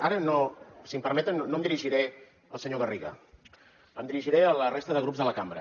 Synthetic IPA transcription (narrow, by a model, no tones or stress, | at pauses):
aɾənosimpəɾmɛt̪ənːoəmd̪iɾiʒiɾɛ | ə̰lˠsəɲoɣəriɣə̰ | əmd̪iɾiʒiɾɛələrest̪əðəɣɾupzðələkambɾə